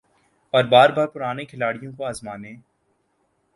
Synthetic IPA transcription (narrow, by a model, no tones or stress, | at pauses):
ɔːɾbaːɾbaːɾpʊɾaːnekʰɪlaːɽijõkoaːzmaːnẽː